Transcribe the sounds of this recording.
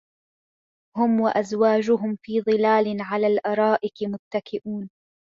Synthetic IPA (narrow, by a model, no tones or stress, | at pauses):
hʊmwaʔazwaːd͡ʒʊɦʊmfiːðˤɨlaːlɪnʕalaːlʔɑɾˤɑːʔɪqɪmʊt̪ːakɪʔuːn